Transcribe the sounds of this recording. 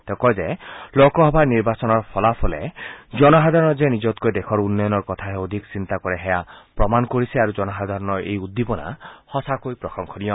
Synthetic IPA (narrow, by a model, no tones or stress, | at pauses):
t̪ekɔjzelokɔɦɔbʱaniɹbasɔnɔɹpʰɔlapʰɔlḛd͡ʒɔnɔɦad̪ʱaɾɔnɔzenid͡ʒɔt̪kojd̪ekʰɔɾunːɔjɔnɔɹkɔt̪ʰaɦɛod̪ʱiksint̪akɔɾeɦɛjapɹɔmanɔkoɾisiaɾud͡ʒɔnɔɦad̪ʱaɾɔnɔɹḛjud̪ːipɔna̰hɔsakojpɾɔxʰɔŋkʰɔɾijɔ